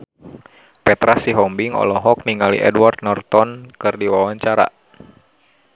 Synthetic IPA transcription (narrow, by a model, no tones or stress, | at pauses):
pɛt̪ɾasiɦɔmbiŋɔ̰lɔɦɔk̚niŋalḭʔɛdwart̪̚nɔrt̪ɔnkɨrdiwawaɲt͡ʃaɾa̰